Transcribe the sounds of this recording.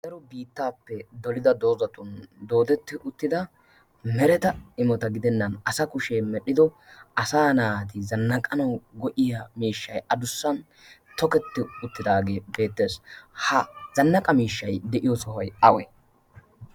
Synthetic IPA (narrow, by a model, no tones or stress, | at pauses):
sɛɾɔbiːt̪ːaːpːɛd̪ɔlɪd̪ɐd̪o̞ːzɐt̪ʊnd̪o̞ːd̪ɛt̪ːɪʔʊt̪ːɪd̪ɐ | mɛɾɛt̪ɐɪmɔt̪ɐɡɪd̪ɛnːɐnɐsɐkʊʃeːmɛɗːɪd̪ɔ | ʔɐsaːnaːt̪ɪzɐnːɐkʼɐnɐwɡɔʔɪjɐmiːʃːɐjɐd̪ʊsːɐn | t̪ɔkɛt̪ːɪʊt̪ːɪd̪aːɡe̞ːbe̞ːt̪ːe̞ːshɐzɐnːɐkʼɐmiːʃːɐjd̪ɛʔɪjɔsɔhɐjɐwɛ